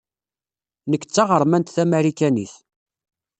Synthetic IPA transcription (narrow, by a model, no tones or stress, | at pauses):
nəkːt͡sːɑʁəɾˤmænt̪θæmæɾikænḭθ